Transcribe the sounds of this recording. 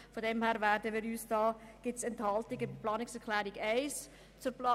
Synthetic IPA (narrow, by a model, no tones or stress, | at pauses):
fodɛmhæːɾvæːɾdəmiːɾyːsd̥ɑːɡ̥ɪtsɛnthɑltɪɡɪplɑːnɪksɛɾkʰlæːɾiɡɛɪs | t͡sʊplː